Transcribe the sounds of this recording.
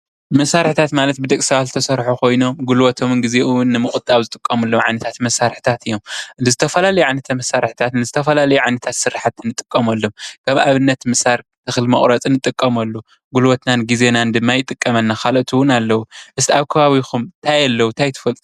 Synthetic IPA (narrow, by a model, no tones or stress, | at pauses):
mɐsːaɾħt̪ʰat̪malɐt̪̚bɨd̪ɐkʼsɐβat̪zɨt̪ʰɐsɐɾħukʰo̞jno̞mɡulwɐt̪ʰo̞mnɡize̞ʔuwʊnːɨmɨxʼut̪ʼːaβzɨt̪ʼɨkʼːɐmɐlːomʕa̰jnɐt̪ʰat̪mɐsaɾħi̥t̪ʰat̪ɨjːo̞mnzɨt̪ʰɐfɐlalɐjuʕajnɐt̪ʰamɐsːaɾħi̥t̪ʰat̪nɨzɨt̪ʰɐfɐlalɐjuʕajnɐt̪ʰat̪sɨɾaħat̪ʰɨnːɨt̪ʼɨkʼːɐmɐlːomkʰɐmaβɨnːɐt̪mɐsaɾt̪ʰɨxɨlmɐχʼɾɐt͡sʼɨnːɨt̪ʼɨkʼːɐmɐlːu | ɡulwot̪nanɡize̞nand̪ɨmːajɪt̪ʼɨkʼːɐmɐnːaxalot̪ʰuwʊnalːɐwuʔɨst̪ʰiaβkʰɐβaβixʰumt̪ʰajalːɐwut̪ʰajt̪ʰɨ̥fɐlt̪ʼu